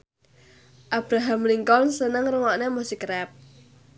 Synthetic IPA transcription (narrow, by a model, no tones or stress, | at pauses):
ʔab̥ɾaɦamliŋkɔnsənəŋrəŋɔʔnemusikɾɛp̚